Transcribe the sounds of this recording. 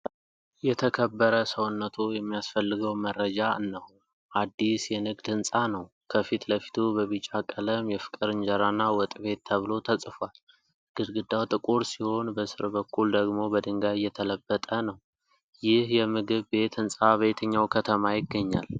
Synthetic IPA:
jɛt̪ʰəkʰəbːəɾəsəwʊnːət̪ʰujɛmːijasfəlːɨɡəwmərːəd͡ʒanːəh | ʔad̪ːisjɛnɨɡd̪ɨnsʼanəw | kʰəfit̪ləfi̥t̪ʰubəβɨt͡ʃʼakʼələmjɛfɨ̥kʼɨɾɨɲd͡ʒəɾanːawɔt̪ʼβe̞t̪ʰːəβlo̞t̪ʰəsʼfal | ɡ̥ɨd̪ɡɨd̪awt̪ʼɨkʼuɾsiho̞nbəsɨɾbəkʰːuld̪əɡmo̞bəd̪ɨŋɡajːɛt̪ʰələbːət̪ʼənəw | jɪhjɛmɨɡɨβbe̞t̪ɨnsʼaβəjt̪ʰəɲːawkʰət̪ʰəmajɪɡːəɲːa̰l

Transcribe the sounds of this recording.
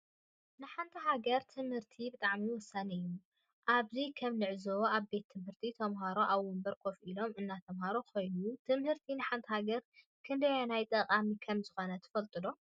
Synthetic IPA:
nɨħant̪ʰɐɦaɡɐɾt̪ʰɨmhɨɾt̪ʰibɨt̪ʼaʕmiwɔsːanɨju | ʔaβzikʰɐmnɨʕzɐwoʔaβbe̞t̪ʰːɨmhɨɾt̪ʰit̪ʰɐmɦaɾoʔaβːumbɐɾkʼofʔilo̞mɨnːat̪ʰɐmhaɾokojnut̪ʰɨmhɨɾt̪ʰinɨħant̪ʰɐhaɡɐɾ | kʰɨnd̪ɐjanajt̪ʼɐqʼamikʰɐmzɨxo̞nɐt̪ʰɨ̥fɐlt̪ʼɨlo̞

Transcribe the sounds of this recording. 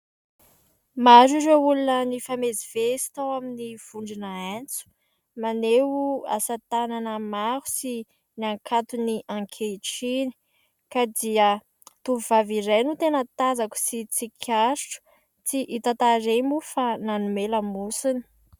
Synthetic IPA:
maziɾeulunənifamezivesi̥t̪awaminiv̥uɳɖ͡ʐinəent͡su̥ | maneua̰sat̪ananəmaɦu̥si | naŋkʰat̪uniʔãŋkʰeʈ͡ʂini̥ | kad̪iə | t̪uvuvaviɾajnut̪enət̪azaku̥sit͡sikʰasʈ͡ʂu̥ | t͡siʔit̪at̪aɾemufananumeləmusini̥

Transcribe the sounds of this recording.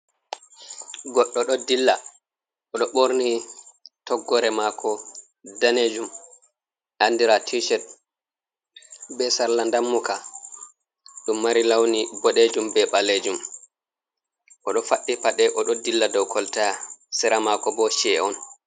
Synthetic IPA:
ɡɔɗːɔɗɔdilːa | ʔɔɗɔɓoɾnitɔɡːɔɾɛmakʰɔ | daned͡ʒum | ʔandiɾatʰiʃɛt̚ | bɛsaɾlandamːuka | ɗumːaɾilawnibɔɗed͡ʒumbɛɓaled͡ʒum | ʔɔɗɔfaɗːipaɗɛʔɔɗɔdilːadɔwkʰɔltasɛɾamakɔbɔʃɛɔn

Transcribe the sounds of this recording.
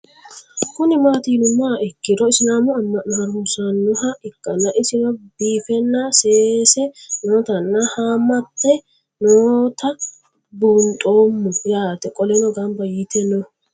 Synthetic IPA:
kʊnɪmaːt̪iːnʊmːaːɛkːɪɾɔɪsɪnaːmʊɐmːɐnːɾmʊsɐnːʊhɐʔɪkʼːɐnɐʔɪsɪnɔbiːfɛnːaseːsɛnoːt̪ɐnːɐhaːmɐt̪ːɛ | noːt̪ɐ | bʊnt̪ʼoːmːʊɾaːt̪ɛkʼɔlɛnɔɡɐmbɐjɪt̪ɛnɔ

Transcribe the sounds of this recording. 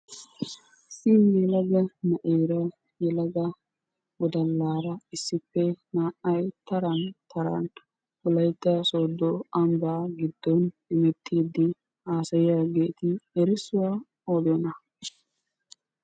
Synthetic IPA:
simjɛlɐɡɐmɐʔeːɾɐ | jɛlɐɡɐ | wɔd̪ɐlːaːɾɐɪsːɪpːɛnaːʔɐjt̪ɐɾɐnt̪ɐɾɐ̰n | ʊlɐjt̪ːɐsoːd̪ːɔɐmbaːɡɪd̪ːɔn | ɪmɛt̪ʰːiːd̪ɪ | aːsɐjjaɡe̞ːt̪ɪɛɾɪsʊwa | od̪ɔnɐ

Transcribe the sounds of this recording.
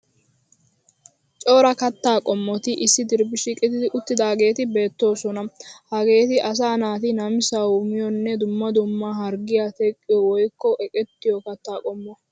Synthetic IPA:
t͡ʃʼo̞ːɾɐkɐt̪ːaːkʼɔmːɔt̪ɪʔɪsːɪd̪ɪɾbɪʃɪkʼɪt̪ɪd̪ɪʔʊt̪ːɪd̪aːɡe̞ːt̪ɪbe̞ːt̪ːo̞ːsɔnɐhɐɡe̞ːt̪ɪʔɐs̬aːnaːt̪ɪnɐmɪsawʊmɪjɔnːɛd̪ʊmːɐd̪ʊmːaɦɐɾɡɪjat̪ɛkʼːɪjɔwɔjkːɔʔɛkʼɛt̪ːɪjɔkɐt̪ːaːkʼɔmːɔ

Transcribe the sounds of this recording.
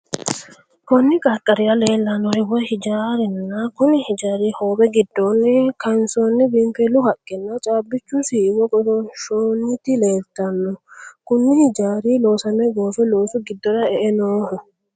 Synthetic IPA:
kɔnːɪkʼɐkʼːɐɾɪjɐleːlːɐnːɔhɪwɔhɪd͡ʒaːɾɛnːɐkʊnɪhɪd͡ʒaːɾiːhoːbɛɡɪd̪ːɔnːɛkɐnsoːnːɪbɪmpɛlʊhɐkʼːɪnːɐt͡ʃʼaːbːɪt͡ʃːʊsiːwɔɡʼɔd̪ɔʃoːnːɪt̪ɪleːlt̪ːɐnːɔkʊnːɪhɪd͡ʒaːɾiːloːsɐmɛɡoːfɛloːsʊɡɪd̪ːɔɾɐɛʔɛnoːhɔ

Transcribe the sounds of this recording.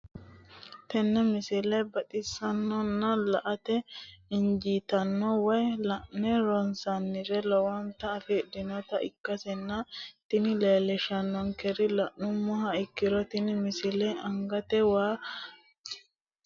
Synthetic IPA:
t̪ɛnːɛmɪsɪlɛbɐt̪ʼɪsːɐnːɔnːɐlɐʔɐt̪ɛɪnd͡ʒiːt̪ɐnːɔwɔjlɐʔnɛɾɔnsɐnːɪɾɛlɔwɐnt̪ɐːfɛd̪ɪnɔt̪ɐʔɪkːɐsɛnːɐt̪ɪnɪleːlɛʃɐnːɔŋkɛɾɪlɐʔnʊmːɔhɐɪkːɪɾɔt̪ɪnɪmɪsɪlɛɐŋɡɐt̪ɛwaː

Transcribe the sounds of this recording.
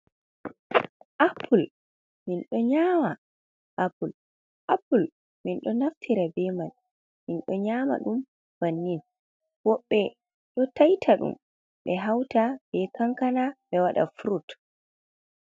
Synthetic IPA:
ʔapʰːul | minɗɔɲaːma | ʔapul | ʔapːul | minɗɔnaftʰiɾabɛman | minɗɔɲaːma̰ɗum | b̥anːin | wɔɓːɛ | ɗɔtajtʰaɗṵm | ɓɛɦawtab̥ɛkaŋkanaɓɛwaɗa̰fuɾut

